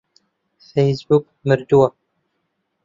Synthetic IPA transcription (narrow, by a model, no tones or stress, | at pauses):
fejsbuk̚ | məɾd̪uwa